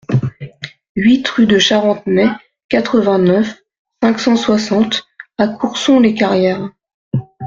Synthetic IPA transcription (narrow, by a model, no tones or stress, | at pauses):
ɥit̪χyd̪əʃaʁɑ̃t̪mɛ | kat̪χəvɛ̃nœf | sɛ̃ksɑ̃swasɑ̃t̪akʰuʁsɔ̃lekaʁjɛːʁ